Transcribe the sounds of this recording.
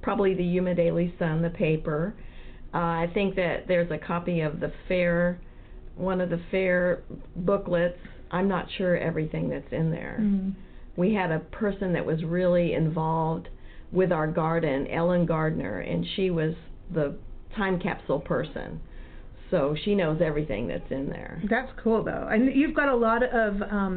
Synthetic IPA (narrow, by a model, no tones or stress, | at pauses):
pʰɹ̥ɑbəbliðɨjʉmɨ̃ndeɪlˠisʌ̃nðɨpʰeɪpə˞ʔaɪθɪ̃ŋk̚ðɨt̪̚ðə˞zɨkʰɑpiʌvðɨfɛɹ | wʌ̃nʌvðɨfɛɹbʊklɪts | ʔãɪ̃mnə̰tʃʊɹɛ̰vɹiθɪ̃ŋðɨtsɨ̃nðə̰˞ | wiɨɾɨpʰɜ˞sɨ̃nðɨ̰ʔwʔʌzɹɪlˠiɪ̰̃ɱvɑlˠvd̚wɪðaʊə˞ɡɑɹdⁿn̩ʔɛ̰lˠə̃nɡɑɹdⁿn̩ə̰˞ʔɨ̰̃nʃiwʌzðətʰãɪ̃mkʰæ̰psl̩ˠpʰɜ˞sɨ̰̃n | soʊʃinoʊzɛvɹiθɪ̰̃ŋðɨ̰tsɨ̃nðə̰˞ðætskʰulˠðo̰ʊʔɨ̃njʉvɡɑɾəlɔɾʌvʌ̃m